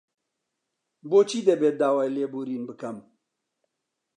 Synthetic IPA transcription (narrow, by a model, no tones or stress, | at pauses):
boːt͡ʃʰiːd̪ɐbeːd̪aːwaːjleːbuːɾiːnbɨkɐm